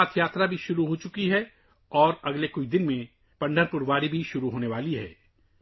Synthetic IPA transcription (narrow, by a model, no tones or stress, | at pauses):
aːt̪ʰjaːt̪ɾabʱiʃʊɾuɦoːt͡ʃʊkiɦɛ | ɔːɾɐɡlekʊt͡ʃʰd̪ɪnmẽ | pɐ̃ɳɖʱəɾpʊɾʋaːɾibʱiʃʊɾuɦoːneʋaːliɦɛ̰ː